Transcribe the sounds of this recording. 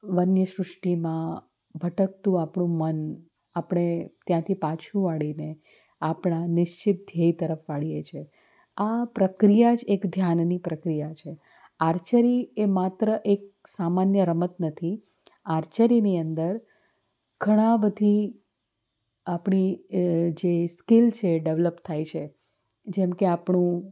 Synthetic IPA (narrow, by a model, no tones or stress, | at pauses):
ʋənjəʃɾʊʂʈimã | bʱəʈək̚t̪ũapɳ̃ũmən | apɽ̃et̪jãt̪ʰipãt͡ʃʰũʋaɭine | apɽ̃anɪʃt͡ʃɪt̪̚d̪ʱjəjt̪əɾəfʋaɭijet͡ʃʰe | apɾəkɾijad͡ʒekd̪ʱjannipɾəkɾijat͡ʃʰe | aɾt͡ʃəɾiemat̪ɾəʔek̚ | samanjəɾəmət̪nət̪ʰi | aɾt͡ʃəɾiniənd̪əɾ | ɡ̥ʱəɽ̃ãbəd̪ʱi | apɳ̃i | d͡ʒeskɪlt͡ʃʰeɖeʋləpt̪ʰajt͡ʃʰe | d͡ʒɛmkeapɳũ